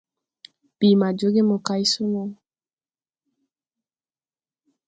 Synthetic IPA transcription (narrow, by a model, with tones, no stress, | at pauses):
b̥i˨ma˨d͡ʒo˦ɡe˦mo˨ka˨˦i˦so˦nɔ˦